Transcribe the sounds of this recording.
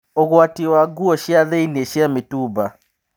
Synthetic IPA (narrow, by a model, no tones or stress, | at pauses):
oɣwatiwaɡuɔʃjaðeineʃjametuba